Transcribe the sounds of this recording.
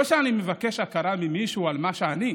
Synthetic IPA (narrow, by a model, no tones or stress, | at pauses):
oʃeanimevake̞ʃakaɾamimiʃualmaʃeani